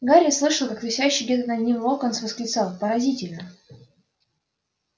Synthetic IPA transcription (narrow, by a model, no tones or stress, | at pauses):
ɡaɾʲɪjəslˠɨʂəlˠkakt̪ɨsʲæɕːɪɡdʲet̪ənɐd̪ʲnʲimlˠokonsvəskɾʲɪt̪salˠpəɾɐzʲitʲɪlʲnə